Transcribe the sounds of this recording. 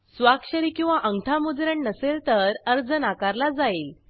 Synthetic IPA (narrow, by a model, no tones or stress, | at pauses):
sʋakɕəɾiːkĩw̃ʋaʔəŋɡʈʰamud͡zɾəɳnəselt̪əɾəɾd͡zənakaɾlad͡zail